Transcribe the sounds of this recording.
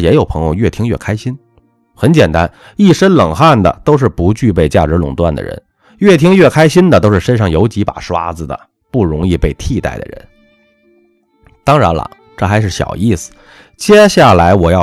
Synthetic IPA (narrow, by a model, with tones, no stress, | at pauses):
jɛ˧˥jo˨˩ʊpʰɤ˧˥ŋjo˧ɥɛ˥˩t̪ʰi˥ŋɥɛ̰˥˩kʰa˥ɪɕi˥n | xə˧˥nt͡ɕjɛ˨˩nt̪a˥n | i˥˩ʂə˥nlɤ˨˩ŋxa˥˩nd̪ə̰˩t̪o˥ʊʂ̬ɻ̩˥˩pu˧˥t͡ɕy˥˧pe˥˧ɪt͡ɕja˥˩ʈ͡ʂɻ̩˧˥lʊ˨˩ŋt̪wa̰˥˩nd̪ə̰˩ɻə̰˧˥n | ɥɛ˥˩t̪ʰi˥ŋɥɛ˥˩kʰa˥ɪɕi˥nd̪ə˨t̪o˥ʊʂɻ̩˥˩ʂə˥nʂɑ˥˩ŋjo˧˥ʊt͡ɕi˧˥pa̰˨˩ʂwa̰˥d͡zɹ̩˨˩d̪ə̰˩ | pu˥˩ɻʊ˧˥ŋi˥˧pe˥˧ɪt̪ʰi˥˧t̪a̰˥˩ɪd̪ə̰˩ɻə̰˧˥n | t̪ɑ˥ŋɻa˧˥nlə̰˧ | ʈ͡ʂɤ˥˩xa˧˥ɪʂ̬ɻ̩˥˩ɕjɑ̰˨˩ʊi˥˩sɹ̩̥˨˩ | t͡ɕjɛ˥ɕja˥˩la˧˥ɪwɔ˨˩jɑ˥˩